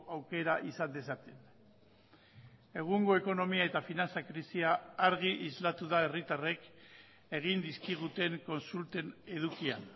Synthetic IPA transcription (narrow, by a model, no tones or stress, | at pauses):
awke̞ɾaʔisand̪e̞sat̪en | e̞ɣ̞uŋɡo̞e̞ko̞no̞miae̞t̪afinant͡sakɾisiaːɾɣ̞iʔizlat̪uðae̞rit̪are̞k | e̞ɣ̞ind̪iskiɣ̞ut̪e̞ŋko̞nsult̪e̞ne̞ðukian